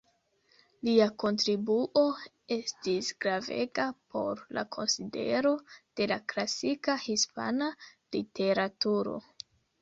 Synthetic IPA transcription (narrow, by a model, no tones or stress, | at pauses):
liako̞ntɾibuʔo̞ | e̞stisɡɾave̞̰ɡapʰo̞̰ɾla̰kʰo̞nside̞̰ɾo̞d̥e̞laklasikahispa̰nalite̞ɾatuɾo̞̰